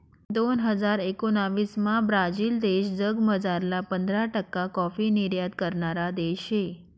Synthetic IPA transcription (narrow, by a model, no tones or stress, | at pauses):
d̪onɦəd͡ʒaɾekonaʋismãbɾad͡ʒild̪eʃd͡ʒəɡməd͡ʒaɾlapənd̪ɾaʈəkakɔfiniɾjad̪kəɾnaɾad̪eʃe